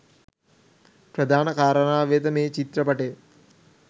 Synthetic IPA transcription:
pɾɐd̪ʱaːnɐkaːɾɐnaːʋeːt̪əmeːt͡ʃit̪ɾɐpɐʈe

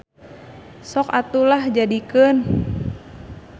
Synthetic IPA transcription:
sɔkat̪ulahd͡ʒadikən

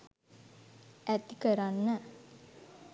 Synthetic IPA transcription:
æt̪ikəɾanːə

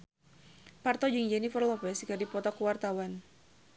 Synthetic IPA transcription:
part̪ɔd͡ʒiŋd͡ʒɛnifərlɔpɛskardipɔt̪ɔkuwart̪awan

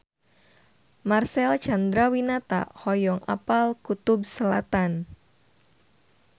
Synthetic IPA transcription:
marsɛlt͡ʃand̪ɾawinat̪a̰hɔjɔŋa̰palkut̪ʊbsəlat̪an

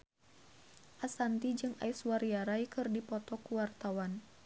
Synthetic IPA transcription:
ʔasant̪id͡ʒɨŋa̰iswaɾiaɾaikɨrdipɔt̪ɔkuwart̪awan

